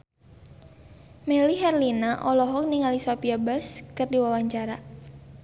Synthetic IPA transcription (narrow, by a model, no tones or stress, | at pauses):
meliɦɛrlinaʔɔlɔɦɔk̚niŋalisapiabaskɨrdiwawaɲt͡ʃaɾa